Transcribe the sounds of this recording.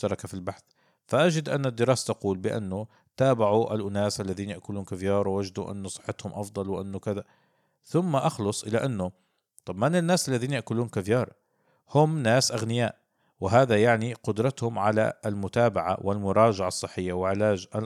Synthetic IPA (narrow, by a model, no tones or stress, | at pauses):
ʃt̪ɑɾˤɑkafilbaħθ | faʔad͡ʒɪd̪ʔanːad̪ːɪɾɑːsḁt̪aquːlbɪʔa̰nːʊ | t̪aːbaʕuʔa̰lʔʊnaːsʔalːaðiːnjaʔkʊluːnkavjɑːɾˤwwad͡ʒd̪uʔɪ̰nːʊsˤɨ̥ħːɪt̪hʊmʔɑfd̪ˤɑlwɪʔanːʊkaða | θʊmːaʔɑxlʊsˤʔɪlaʔanːʊ | t̪ˤɑbmanɪnːaːsʔalːaðiːnjaʔkʊluːnkavjɑːɾˤ | hʊmnaːsʔaɣnɪjaːʔ | wɪɦaːðajaʕniqʊd̪ɾˤɑt̪hʊmʕala̰lmʊt̪aːbaʕa̰wɪlmʊɾˤɑːd͡ʒaʕɑsˤːɨħːɪjːawɪʕɪlaːd͡ʒa